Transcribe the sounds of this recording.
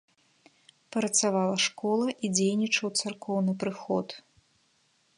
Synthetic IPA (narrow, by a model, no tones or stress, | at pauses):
pɐɾɐt̪savalˠɐʂkɔlˠɐʔid͡zʲejnʲit͡ʂɐwt̪sarkɔwnɨpɾɨxɔt̪